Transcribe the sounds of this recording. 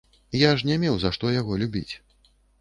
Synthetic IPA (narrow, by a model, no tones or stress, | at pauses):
jaʂnʲɛmʲɛwzaʂt̪ɔjaɣɔlʲubʲḭt͡sʲ